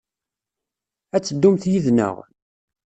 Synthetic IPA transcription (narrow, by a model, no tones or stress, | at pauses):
æt͡sːəd̪ːumθjiðnə̰ʁ